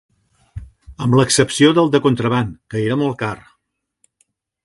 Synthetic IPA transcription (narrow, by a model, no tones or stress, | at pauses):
əmləksəpsioðəlˠd̪əkunt̪ɾəβaŋkəeɾəmɔlˠkar